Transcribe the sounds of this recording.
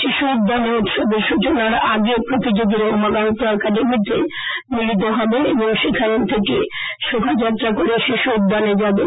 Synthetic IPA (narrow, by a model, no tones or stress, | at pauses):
ʃiʃuud̪ːaneut̪ʃobeɾʃut͡ɕonaɾaɡopɾot̪id͡ʑoɡ̪iɾamaɡant̪ɔkad̪emit̪ḛmilit̪̬oɦɔbeeboŋʃikʰajont̪ʰekḛʃobʱad͡ʑat̪ːɾakoɾeʃiʃuud̪ːaned͡ʑabe